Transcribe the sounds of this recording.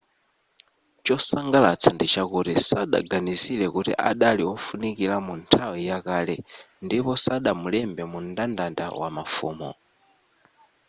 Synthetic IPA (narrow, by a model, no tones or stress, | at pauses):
t͡ʃɔsaŋɡalat͡sʰandit͡ʃakutisaɗa̰ɡanisilɛkutḭʔaɗaliɔfunikilamuntʰawijakaːlɛ | ndipɔsaɗamulɛmbɛmundandanda̰wa̰mafuːmɔ̰